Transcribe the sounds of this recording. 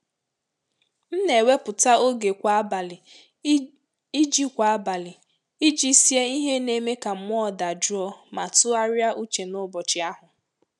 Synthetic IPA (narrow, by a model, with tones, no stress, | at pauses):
n̩˦ne˨we˦pʊ˨ta˦o˦ɡe˨kʷa˨a˦ba˨lɪ˨ | i˦d͡ʒi˦kʷa˨a˦ba˨lɪ˨ | i˦d͡ʒi˦si˦e˦i˦ɦe˦ne˦me˦ka˨m̩˦mʷ˦ɔ˦˨da˨d͡ʒʊ˦ɔ˦ma˨tʊ˦a˦ɾja˦ʔu˦t͡ʃe˨nʊ˦bɔ˨t͡ʃɪ˨˦a˦ɦʊ˨